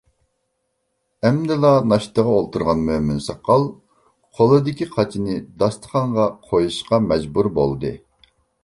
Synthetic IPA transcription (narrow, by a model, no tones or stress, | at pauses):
ɛmd̪ɪlˠɑnɑʃt̪əʁɑolˠt̪ʰuɾʁɑnmømynsɑqːɑlˠ | qʰolˠɨd̪ɪkʲiqʰɑt͡ʃʰinɪd̪ɑst̪ʰə̥χɑɴʁɑqʰojuʃqɑmɛd͡ʒbuɾbolˠd̪ɨ